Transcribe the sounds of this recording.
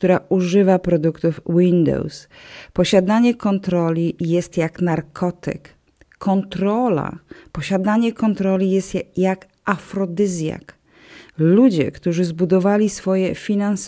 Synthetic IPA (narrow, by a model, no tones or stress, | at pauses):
kt̪uɾauʐɘvapɾɔd̪ukt̪ufwind̪ɔ̰wspɔɕad̪aɲɛkɔnt̪ɾɔlʲijɛst̪jaknaɾkʰɔt̪ɪ̰kː | ɔnt̪ɾɔla̰pɔɕad̪aɲɛkɔnt̪ɾɔlʲijɛst̪jak | ʔafɾɔd̪ɘzʲja̰k | lud͡ʑɛ̰kt̪uʐɘzbud̪ɔvalʲisfɔjɛfʲinans